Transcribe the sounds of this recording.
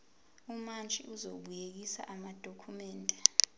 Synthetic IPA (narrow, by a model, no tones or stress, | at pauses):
umant͡ʃʼḭʔuzoɓujek̬isa̰ʔamad̥ʱokʰumɛːndʱɛ